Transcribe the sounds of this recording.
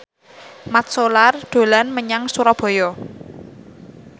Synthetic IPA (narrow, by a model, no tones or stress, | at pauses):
mat̪̚solard̪̥o̤lanməɲaŋsuɾɔb̥ɔ̤jɔ